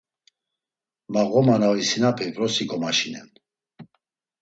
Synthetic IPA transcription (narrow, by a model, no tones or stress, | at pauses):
maɣɔmanavisinapʰɛpɾɔsikʼɔmaʃinɛ̰n